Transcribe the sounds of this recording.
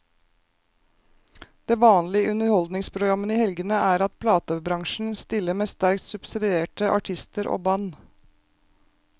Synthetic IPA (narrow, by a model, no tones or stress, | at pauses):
d̪̥eːʋɑːnlɪəʔʉnəɾhɔld̪nɪŋspʰɾʊɡɾɑməniːhɛlɡənəʔæːɾɑt̪̚pʰlɑːt̪əbɾɑŋʃɳ̩st̪ɪlːəmeːst̪æɾk̚t̪sʉbsɪd̪ɪeːʈəʔɑ̰ʈʰɪst̪əɾʔo̰ːbɑn